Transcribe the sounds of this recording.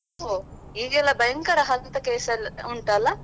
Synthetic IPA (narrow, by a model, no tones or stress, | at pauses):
ɦoiːɡɛlːɐbɐjɐŋkɐɾɐɦɐlt̪ɐkeːsɐluɳʈɐlːɐ